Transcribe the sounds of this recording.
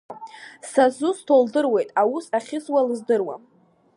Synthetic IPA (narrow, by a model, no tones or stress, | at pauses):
sazustʰoldɨrwe̞jtʼawusaχʲɪswalɨzdɨrwa̰